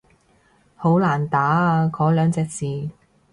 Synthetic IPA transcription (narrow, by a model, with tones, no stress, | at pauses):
ho˨˥wlaː˨˩nt̪aː˨˥kɔː˨˥lœː˨˧ŋt͡sɛː˧k̚siː˨